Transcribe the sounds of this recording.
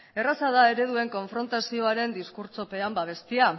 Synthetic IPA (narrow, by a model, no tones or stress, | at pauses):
e̞rasaðae̞ɾe̞ð̞ue̞ŋko̞ɱfɾo̞nt̪asio̞aɾe̞nd̪iskuɾt͡so̞pe̞ambaβ̞e̞st̪ia